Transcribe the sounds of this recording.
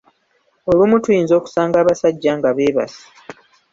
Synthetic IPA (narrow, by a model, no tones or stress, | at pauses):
o̞lumutwiːnzo̞ːku̥saːŋɡaːβasaɟːaŋɡaβe̞ːβa̰si̥